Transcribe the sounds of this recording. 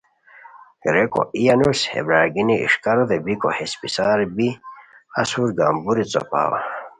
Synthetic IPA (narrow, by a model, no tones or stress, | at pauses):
ɡɾeko̰ʔijanushḛbɾaːɡiniḭʂkaɾod̪ebikohespisaɾbi | asuɾɡambuɾit͡so̰pa̰ːwa̰